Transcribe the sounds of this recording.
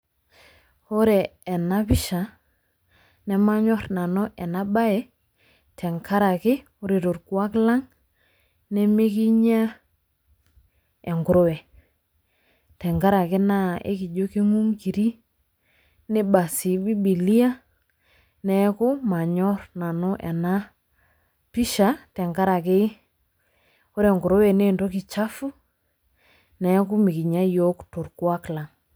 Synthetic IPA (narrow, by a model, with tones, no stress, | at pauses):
o˦ɾɛ˨ɛ˨na˦pɪ˦ʃa˨ | nɛ˨ma˦ɲɔ˦ɾna˨nɔ˦ʔɛ˨na˦ba˦ɛ˦ | tʰɛ˨ŋkʰa˦ɾa˨kɪ˦ | ʊ˦ɾi˨ɾo˨ɾku˨a˦kla˦ŋ | nɛ˦me˦ki˦ɲa˦ | e˨ŋɡʊ˨ɾo˦wɛ˨ | tɛ˨ŋɡa˦ɾa˨kɪ˦na˦ḛ˦ki˨d͡ʒo˦ki˦ŋu˦ŋki˨ɾi˦ | ne˦ba˨si˨bi˦bi˨li˦a˦ | nɛ˨˦kʊ˦ma˨ɲɔ˦ɾna˨no˦ʔɛ˨na˦ | pi˦ʃa˨tɛ˨ŋɡa˦ɾa˨ke˦ | o˦ɾɛ˨ŋɡʊ˨ɾo˦wɛ˨ne˦˨ndɔ˦ki˨t͡ʃa˦fu˦ | nɛ˨˦kʊ˦mi˨ki˨ɲa˦jɔ˦kto˨ɾkwa˦kla˨ŋ